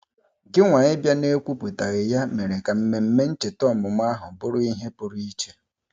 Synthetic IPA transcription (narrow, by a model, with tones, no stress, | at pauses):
ɡɪ˦ŋʷa˨ɲɪ˦bja˦ne˦kʷu˦pu˨ta˨ɣɪ˨ja˦me˨ɾe˨ka˨m̩˦me˨m̩˦me˦n̩˦t͡ʃe˨tɔ˦˨mʊ˨m˦a˦ɦʊ˨bʊ˦ɾʊ˦i˦ɦe˦pʊ˨ɾi˦t͡ʃe˦